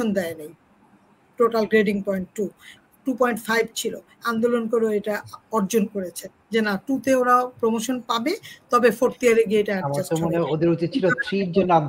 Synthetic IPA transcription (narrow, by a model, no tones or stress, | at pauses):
ond̪ɛenej | ʈoʈalɡɾeɖiŋpɔjɳʈːu | ʈupɔjɳʈfʰajbt͡ɕʰilo | and̪olonkoɾoeʈaɔɾd͡ʑonkoɾet͡ɕʰen | d͡ʑenaʈut̪eoɾapɾomoʃonpabet̪ɔbefoɾt̪iaɾeɡeʈaaamatomoneod̪ʱiɾuit͡ɕʰilot̪ɾid͡ʑenːan